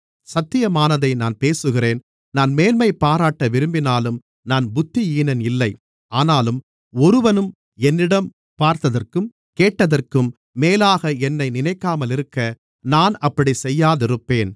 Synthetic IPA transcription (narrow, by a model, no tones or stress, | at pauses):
sɐt̪ːɪjɐmaːnɐðɐɪnaːnpeːsɯɣɪreːn | naːnmeːnmɐɪpːaːɾaːʈːɐʋɪɾɯmbɪnaːlɯm | naːnbʊt̪ːijiːnɐnɪlːɐɪ | aːnaːlɯm | ɔɾɯʋɐnɯm | ɛnːɪɽɐm | paːɾt̪ɐðɐrkɯm | keːʈːɐðɐrkɯmː | eːlaːɣɐɛnːɐɪnɪnɐɪkːaːmɐlɪɾɯkːɐ | naːnɐpːɐɽisɛjːaːðɪɾɯpːeːn